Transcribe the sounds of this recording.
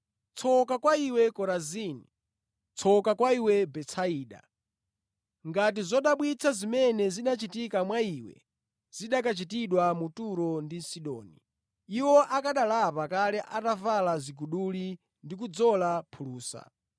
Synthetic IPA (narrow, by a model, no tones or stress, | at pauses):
t͡sʰɔkakwaiwɛkɔɾaziːni | t͡sʰɔkakwaiwɛbɛt͡sʰaiːɗa̰ | ŋɡat̬izɔɗaɓwit͡sʰazimɛnɛziɗat͡ʃitikamwaiwɛ̰ | z̥iɗak̬at͡ʃitiɗwamutuɾɔndin̩siɗɔːni | iwɔʔakaɗalapakalɛʔatavalaziɡuɗuli | ndik̬ud͡zɔlapʰuluːsa̰